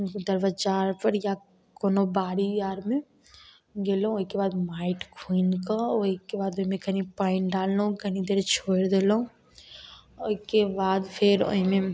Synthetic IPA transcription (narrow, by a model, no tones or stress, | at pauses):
d̪əɾʋət͡ʃaːɾpəɾja | koːnobaːɾijaːɾmẽ | ɡeːlũoikebaːd̪maːɪʈkʰuːnkaoikebaːd̪oɦimẽkənipaːɪnɖaːlːũkənid̪eːɾt͡ʃʰoːɽd̪eːloũ | oikebaːd̪pʰɪɾo̰ɦmẽ